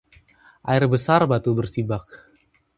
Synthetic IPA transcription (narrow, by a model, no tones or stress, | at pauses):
ʔa̰irbəsarbat̪ubərsibak̚